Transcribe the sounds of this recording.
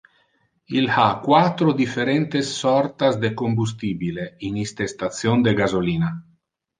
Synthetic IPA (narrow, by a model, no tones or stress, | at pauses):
ilhakwat̪ɾod̪ifeɾɛnt̪esːɔɾt̪azd̪ekombus̬t̪iːbileinist̪est̪at̪sjond̪eɡazoliːna